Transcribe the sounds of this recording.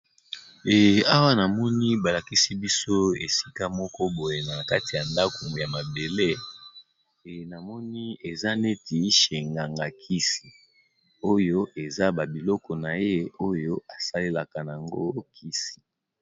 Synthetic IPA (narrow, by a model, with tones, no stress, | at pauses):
ɛ˨a˦wa˦na˨mɔ˦ni˦ba˨la˨ki˦si˦bi˦so˦e˨si̥˦ka˦mɔ˦kɔ˦bo˨je˨na˨ka˦ti˨ja˨nda˦ko˨ja˨ma˨be˨le˦˨ | na˨mɔ˦ni˦e˨za˦ne˦ti˨ʃe˨ŋɡa˨ŋɡa˨kʰi˦si˨ | o˦jo˦ʔe˨za˦ba˨bi˨lɔ˦kɔ˨na˨je˦o˦jo˦a˨sa˦le˦la˨ka˨n˨a˨ŋɡo̰˦kʰi˦si̥˨